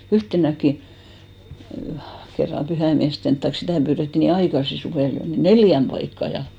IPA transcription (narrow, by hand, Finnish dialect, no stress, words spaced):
yhtenækːi kerːɑm pyhæimiæsten tɑik sitæˑ pyːretːi niːn ɑikɑsi suʋeˑl jo ni neljæm pɑikːɑ jɑ